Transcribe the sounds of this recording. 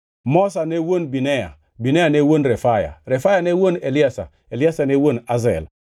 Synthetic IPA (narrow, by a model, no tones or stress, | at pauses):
mosanewonbineja̰ | binejanewonɾefaja̰ɾefajanewoneliasa̰ | eliasanewonazḛl